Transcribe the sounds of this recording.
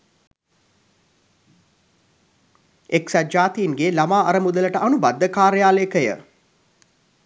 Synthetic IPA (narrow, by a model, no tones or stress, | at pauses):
eksæd͡ʒaːt̪ijːnɡelamaːɐɾəmud̪ələʈəʔanubad̪ːəkaːɾəjaːlekəjə̰